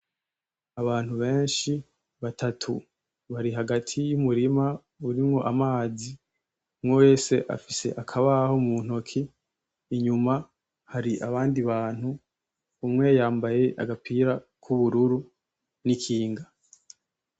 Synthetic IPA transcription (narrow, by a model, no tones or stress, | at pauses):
aβaːn̥huβe̞ːnʃi | βatʰatʰu | βaɾiɦaɡatʰijumuɾima | uɾimŋo̞ʔamaːzi | mŋowe̞ːse̞ʔa̰fise̞̰ʔakʰaβaho̞mun̥o̞kʰiː | ɲuma | haɾiʔaβaːndiβaːn̥huː | mŋe̞jaːmbaje̞ʔa̰ɡapʰiːɾa | kʰuβuɾuɾu | nikʰiːŋɡa